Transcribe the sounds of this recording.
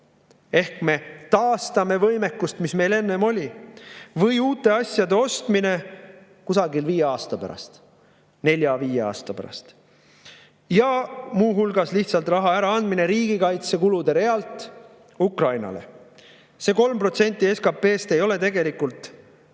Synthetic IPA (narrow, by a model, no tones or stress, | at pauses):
e̞hkme̞t̪ɑːst̪ɑme̞vɤjme̞kːˑust̪misme̞jle̞nːe̞mo̞lʲi | vɤjuːt̪ːˑe̞ɑsʲjɑd̪e̞o̞st̪mine̞ | kusɑɡilviːjeɑːst̪ɑpæ̰ɾɑ̰st̪ | ne̞lʲjɑviːjeɑ̰ːst̪ɑpæ̰ɾɑ̰st̪ | jɑmuːɦulɡ̥ɑsliht̪sɑlt̪ˑrɑɦɑæɾɑɑnd̪mine̞ɾiːɡ̥ikɑjt̪se̞kulud̪e̞ɾe̞ɑlt̪ːˑ | ukrɑjnɑ̰le̞̰ | se̞ːko̞lmpro̞t̪se̞nʲt̪ːˑie̞skɑpe̞ːst̪e̞jo̞le̞t̪e̞ɡe̞likult̪ːˑ